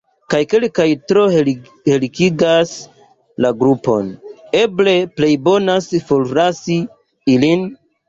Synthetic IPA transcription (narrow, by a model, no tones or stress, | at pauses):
kajke̞lkajtɾo̞ | helikiɡas | laɡɾupo̞̰neble̞ple̞jbo̞nasfolɾasi | ilin